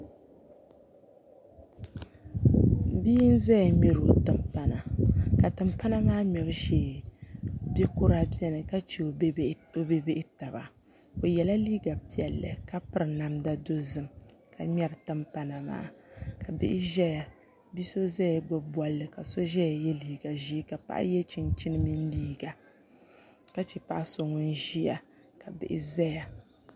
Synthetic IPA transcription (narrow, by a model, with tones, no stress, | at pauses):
biː˦n̩˦za˦ja˨mɛ˦ɾo˨tɨ˨mpa˨na˨ka˨tɨ˨mpa˦na˦maː˦mɛ˨bɨ˦ʃeː˨ | bɛ˦ko˦ɾa˦bi˦ɛ˦nɨ˨ka˦t͡ʃe˨˦o˦be˦be˦ʔɪ˦ta˨ba̰˨ | o˨jɛ˨la˦liː˦ɡa˨pi˦ɛ˨lːɨ̰˨ka˦pɨ˦ɾɨ˨na˨mda˦do˦zɨ˦˨m | ka˨mʲɛ˦ɾɨ˨tɨ˦mpa˦na˨ma̰ː˦ka˨bɨ̰˦ʔɪ˦ʒɛ˦ja˨ | bi˦so˦za˦ja˨ɡ͡bɔ˦bwa˦lːɨ˨ka˨so˦ʒɛ˦ja˨jɛ˦liː˦ɡa˨ʒiː˦ka˨pa̰˦ʔa̰˦jɛ˦t͡ʃi˨nt͡ʃi˦nɨ˦mi˦n˦liː˦ɡa˨ | ka˦t͡ʃɛ˨pa˦ʔa˦so˨ŋʊ˦n˦ʒi˦a˨ | ka˨bɨ̰˨ʔɪ̰˦zɛ˦ja˨